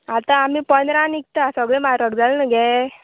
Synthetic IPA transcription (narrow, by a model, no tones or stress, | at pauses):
at̪ãːmipənd̪ɾãnik̚t̪asəɡɭẽmaɾəɡd͡zalnəɡɛ